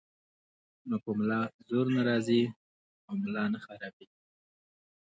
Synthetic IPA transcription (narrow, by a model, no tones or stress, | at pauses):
nokəmlɑzoɾnaɾɑzi | awmlɑnaxaɾɑbi